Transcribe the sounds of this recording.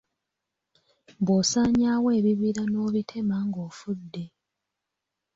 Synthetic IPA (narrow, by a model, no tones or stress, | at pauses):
boːsaːɲaːwe̞ːβiβiɾano̞ːβitʰe̞maŋɡo̞ːfudːe̞